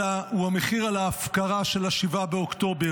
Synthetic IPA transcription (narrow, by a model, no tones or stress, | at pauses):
auameχiʁalaːfkaʁaʃe̞laʃivabeokto̞be